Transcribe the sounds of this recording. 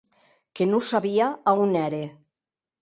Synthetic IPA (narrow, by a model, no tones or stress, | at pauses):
kenusaβiaaunɛɾe